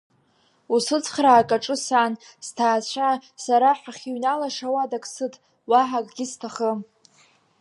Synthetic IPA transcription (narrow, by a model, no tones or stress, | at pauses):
usɨt͡sʰʼχraːkʼaʈ͡ʂʼɨsaːn | ztʰaːt͡ɕʷʰasaɾaħaχʲiɥnalaʂawadakʼsɨtʰʼ | waħakʼɡʲɪstʰaχə